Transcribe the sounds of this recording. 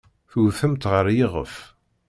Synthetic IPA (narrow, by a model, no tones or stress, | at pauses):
θuθəmt̪ʁəɾjiʁə̰f